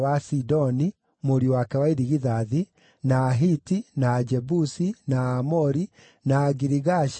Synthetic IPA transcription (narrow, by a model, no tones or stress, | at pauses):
wasidɔni | moɾiwakɛwaiɾiɣiðaði | naːɦitinaːd͡ʒɛbusinaːmɔɾi | naːɡiɾiɣaʃ